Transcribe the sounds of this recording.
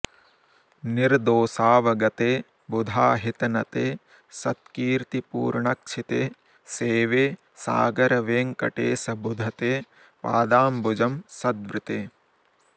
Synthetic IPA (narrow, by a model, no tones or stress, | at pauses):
niɾd̪oːsaːʋɐɡɐt̪eː | bud̪ʱaːɦit̪ɐnɐt̪eː | sɐt̪kiːɾt̪ipṵːɾɳɐk̚t͡ʃʰit̪eː | seːʋeː | sa̰ːɡɐɾɐʋeːŋkɐ̰ʈeːsɐbud̪ʱɐt̪eː | pa̰ːd̪aːmbud͡ʒɐmsɐd̪ʋɾɪt̪eː